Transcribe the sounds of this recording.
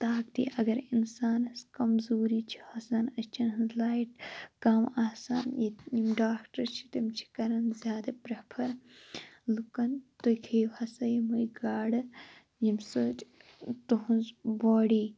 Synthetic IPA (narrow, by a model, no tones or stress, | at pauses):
t̪aːkt̪ḭʔɐɡɐɾinsaːnɐskɐmzuːɾiːt͡ʃʰi̥hɐsɐnɐst͡ʃʰɐnɦɨnzlaːiʈkɐmaːsaːnjijimɖaːkʈɐɾt͡ʃʰi̥t̪ɐmt͡ʃʰi̥kɐɾɐnzʲjaːd̪ɐpɾɐpʰɐɾ | lukɐnt̪ojkʰiːʋhɐsɐjimujɡaːɽɨ | jimsot͡ʃ | t̪uɦunzbaːɽiː